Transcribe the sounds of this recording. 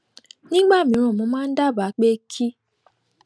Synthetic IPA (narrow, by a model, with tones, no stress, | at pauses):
nĩ˦ɡ͡ba˦˨mĩ˨˦ɾ̃ũ˨mʊ̃˨˦mã˦n̩˦da˦˨ba˨˦k͡pe˦kʰi˦